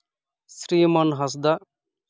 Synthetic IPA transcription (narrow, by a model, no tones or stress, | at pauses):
sɾiːmɐnɦɐs̬d̪a